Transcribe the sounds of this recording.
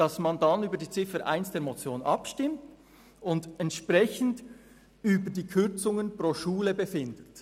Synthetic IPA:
d̥ɑsmɑndɑnyːbəɾdiːt͡sɪfəɾʔa̰ɪnsd̥eːɐmot͡sjoːnʔɑ̰pʃtɪmt | ʊndɛntʃpʁɛçən̩d | yːbədiːkʰʏɾt͡sʊŋənpʁoːʃuːləbəfɪndət

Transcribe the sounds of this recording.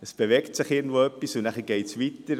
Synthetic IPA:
əsb̥evɛktsɪχɪːɡn̩tvoœpːisʊnæχəɡ̥ɛɪtsvitəɾ

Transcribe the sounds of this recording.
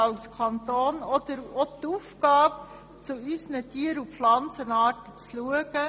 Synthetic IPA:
ɑlskʰɑnt̪oːnɔd̪əɾotufkɑːp̚ | t͡suysənətiːəɾupflɑnt͡sənɑːɾtət͡sluəɡ̥ə

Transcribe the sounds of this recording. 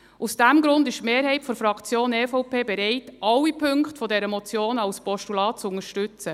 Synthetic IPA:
usd̥æmɡɾʊndɪʃtmeːɾɦɛɪtfɔɾfɾɑkʰt͡sjoːnɛːfɔʊpeːbɛɾɛɪtʔɑwːipʰʏŋkχtfɔdɛɾəmɔt͡sjoːnɑwspɔʃtulɑːt̚t͡sʊŋəʃtʏt͡sə

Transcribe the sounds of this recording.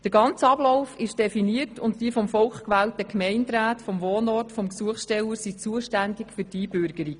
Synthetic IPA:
d̥əɾɡɑnt͡sɑbloʊfɪʃd̥ɛfiniərtʰʊntdiəfɔmfɔlχkʋæːltəkmɛɪntɾæːtfɔmʋoːnɔrtfɔmksuəχsʃtɛləsit͡suəʃtændɪkfyɾtiːbʏɾɡ̥əɾi

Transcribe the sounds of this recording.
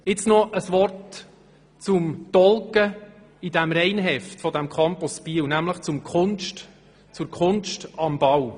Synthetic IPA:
ɪt͡snɔʔəsʋɔrt | t͡sʊmtɔlkə | idæmɾɛɪnɦɛftfɔdæmkʰɑmpuspiːwnæmləχt͡sʊmkʰʊnʃt | t͡sʊɾkʰχʊnʃtɑmb̥ɑw

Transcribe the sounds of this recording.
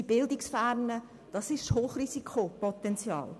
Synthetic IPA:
ibɪldɪksfæɾnə | d̥ɑsɪʃhoːχrisikʰopɔt̪ɛnt͡sjɑ̰ːl

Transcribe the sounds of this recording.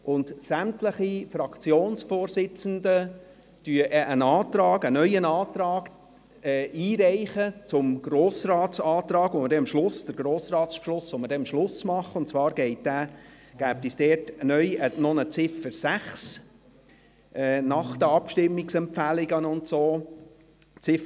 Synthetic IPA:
ʔʊndsæmtləχifɾɑkt͡sjoːnsfoːɾzɪt͡səndə | d̥yəʔʔənɑːt̪ɾɑːɡənœʏənɑːt̪ɾɑːɡ | ɛiːɾæɪχət͡sʊmɡ̥ɾoːsrɑːtsɑːt̪ɾɑːɡ̥ʋoməɾdɛɑmʃlʊsd̥əɾɡ̥ɾoːsrɑːtspʃlʊsːɔmədɛɑmʃlʊsmɑχəʊntt͡svɑːɾɡ̥ɛɪt̚dæː | ɡ̥æːp̚tisd̥ɛːtnœʏənɔnət͡sɪfəɾsæχs | ʔɛːnɑχd̥̪əɑpʃtɪmːiksɛmpfælɪɡənʊntsoː | t͡sɪf

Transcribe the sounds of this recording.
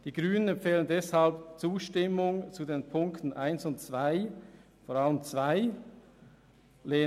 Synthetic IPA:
d̥iːɡʁyːnənɛmfeːləndɛshalpt͡suːʃtɪmʊŋt͡sudeːnpʰʊŋktən̩ʔaɪnsʊntt͡sv̥aɪ | foːʁaləmt͡sv̥aɪ | leː

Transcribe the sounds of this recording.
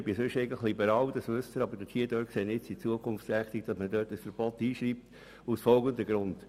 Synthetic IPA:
b̥ɪsʏʃɛɪɡən̩tləχlibəɾɑːwd̥̪ɑsmʉstəɾɑbəd̥ətʰhiədøːksenɪt͡sit͡suəkʰʊnft͡sɾæχt̪ik̚d̥ɑsmədøːtəsfəɾb̥ɔt̪iːʃɾiːp̚t | usfɔlɡəndəɡɾʊnd̥

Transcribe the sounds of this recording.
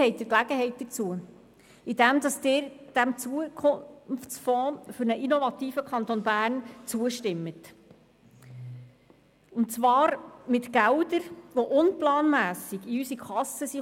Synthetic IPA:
ɛɪt̚d̥̪ɪklæɡəɦɛɪt̚d̥ət͡suə | idæmd̥̪ɑsd̥ɪːɾd̥æmt͡suəkʰʊnft͡sfɔ̃ːfʏɾnəʔinɔvɑt̪iːfəkʰχɑnt̪ɔnbæːrnt͡suəʃtɪmːət | ʊntt͡svɑːɾmɪtɡæwdəɾʋɔʔʊnplɑːnmæːsɪɡiysikʰɑsːəsi

